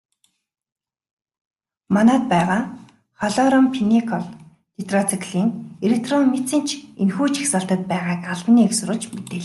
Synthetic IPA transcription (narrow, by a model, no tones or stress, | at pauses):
mɔnaːt̪̚pæːʁaː | χɔɮɔɾɔmpʰinikʰɔɮ | t̪et̪rɔt͡sʰikʰɮiːŋeɾek̚ʰt̪rɔnːet͡sɘ̆n̥t͡ɕʰenxuːt͡ɕʰi̥xsăɬt̪ə̆t̪̚pæːʁaːkaɮtniːksʊɾʊ̆ɮt͡ɕmet̪eːɮ